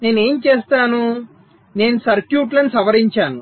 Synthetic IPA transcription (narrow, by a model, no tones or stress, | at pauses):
ne̞ːnue̞ːmt͡ʃeːst̪aːnu | ne̞ːnusɐɾkjuːʈlɐnisɐʋɐɾiɲt͡ʃaːnu